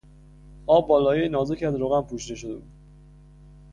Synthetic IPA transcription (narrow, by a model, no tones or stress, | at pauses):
ɒːbːɒːlɒːjenɒːzecʰæd̪ɾoːɣænpʰuːʃid̪e̞ʃod̪e̞̰buːd̪̥̚